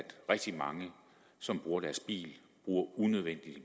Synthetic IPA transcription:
æd̥ʁɛɡ̥̚d̥imɑ̈ŋə | sɒ̽mb̥ʁuːɐɾæɐsb̥ḭːl | b̥ʁuːɐunøðˠʋen̰d̥id̥

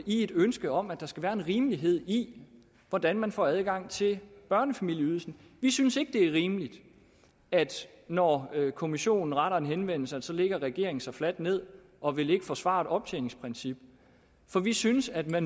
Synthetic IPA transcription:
ie̝d̥ønsɡ̥əɒ̽mæd̥ɑ̈sɡ̥æʋæːɐe̝nʁiːmliɦe̝ð̞̰ˠi | ʋɒd̥ænmænfɒ̰æð̞ˠɡ̥ɑ̈ŋ̰t͡sʰe̝lb̥ɶɐnəfæmil̰jəyð̩ˠsn̩ | ʋisynse̝ɡ̥əd̥e̝æɐʁiːmlid̥ | æd̥ | nɒkʰo̝miɕo̝̰ːnn̩ʁɑɾɐe̝nɦenʋen̰l̩səæsɒ̽leɡ̥ɐʁɛɡ̥e̝ɐeŋn̩sɑ̈ɪflæd̥ne̝ð̰ˠ | ɒ̽ʋe̝le̝ɡ̥əfɒ̽sʋɑ̰̈d̥ɒ̽b̥̚t͡sʰḛːne̝ŋspʰʁɛnsib̥ | fɒ̽ʋisynəsæd̥mæn

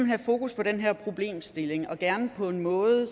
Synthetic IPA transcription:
m̩ɦæfo̝ːkuspʰɒ̽ɾenɦeɐ̰pʰʁo̝b̥le̝̰ːmsd̥e̝le̝ŋɒ̽ɡ̥æɐnəpʰɒ̽e̝nmɔ̽ːð̩ˠ

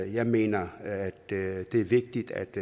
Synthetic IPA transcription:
jɑɪme̝ːnɐæd̥d̥eæɐʋeɡ̥̚d̥id̥æ̰d̥

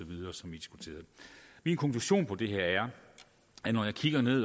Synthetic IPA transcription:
ɒʋið̞ˠɐːsɒ̽mʋid̥isɡ̥ut͡sʰe̝̰ːɐð̩ˠminkʰɒ̽ŋkʰluɕo̝̰ːnpʰɒ̽d̥e̝ɦeɐ̰æɐ | ænɒjɑ̈ɪkʰiɡ̥ɐne̝ð̰ˠ

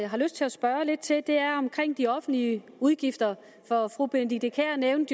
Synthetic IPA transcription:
ɦɑ̈løsd̥̚t͡sʰe̝læsb̥ɶːɐle̝d̥̚t͡sʰe̝d̥e̝æɐɒ̽mkʰʁeŋ̰d̥iɒ̽fn̩̥liə | uð̞ˠɡ̥ifd̥ɐ | fɒ̽fʁuːb̥end̥id̥ekʰæɐneʊnd̥

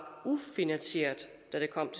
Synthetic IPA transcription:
ufinænɕe̝̰ɐ̰d̥ːæɾ̥e̝kʰɒ̽m̰t͡sʰ

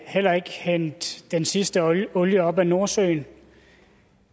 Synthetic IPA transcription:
hel̰ɐe̝ɡ̥hen̰d̥ːensisd̥əɔ̽ljəɒ̽b̥æno̝ɐsø̰ːn

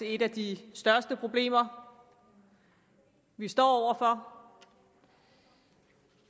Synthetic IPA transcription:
ee̝ɾæd̥isd̥ɶɐsd̥əpʰʁo̝b̥le̝̰ːmɐ | ʋisd̥ɒ̰ːɒʊ̰ɐfɒ

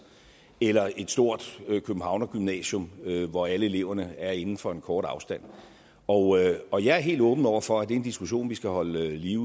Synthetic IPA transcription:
elɐʔe̝d̥sd̥o̝ɐ̰d̥økʰøb̥m̩hɑ̈ʊ̰nɐɡ̥ymnɛ̰ɕɔmøʋɒæləe̝le̝ʊ̰ɐnəæɐe̝nn̩fɒ̽e̝nkʰɒːɾ̥ɑ̈ʊsd̥æn̰ | ɒ̽ʊɒ̽jɑ̈æɐɦe̝̰ːld̥ɔ̽ːb̥n̩ˠɒʊ̰ɐfɒ̽æd̥e̝end̥isɡ̥uɕo̝̰ːnʋisɡ̥æhɒ̽ləliʊ

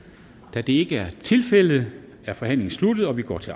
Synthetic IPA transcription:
d̥æd̥e̝e̝ɡ̥əæɐt͡sʰe̝lfel̰ð̩ˠ | æɐfɒ̽hæn̰le̝ŋn̩slud̥ð̩ˠɒ̽ʋiɡ̥ɒ̰ːt͡sʰe̝

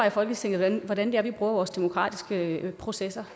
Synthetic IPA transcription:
ɑ̈fɒ̽l̰ɡ̥əst͡sʰe̝ŋ̰̩ʋænʋɒdænd̥e̝æɐʋib̥ʁuːɐʋɒːsd̥emokʰʁɑ̰̈ːd̥isɡ̥əpʰʁo̝sesɐ

